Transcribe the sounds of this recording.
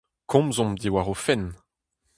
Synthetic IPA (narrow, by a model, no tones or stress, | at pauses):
kʰɔ̃mzɔ̃md̪iwaʁofɛn